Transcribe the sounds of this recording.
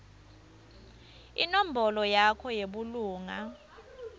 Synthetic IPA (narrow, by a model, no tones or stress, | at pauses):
ḭnom̩bɔlɔjakʰɔjeɓuluːŋa